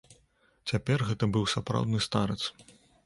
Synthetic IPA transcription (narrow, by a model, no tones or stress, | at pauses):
t͡sʲapʲɛrɣɛt̪ɐbɨwsapɾa̰wd̪nɨst̪aɾɐt̪s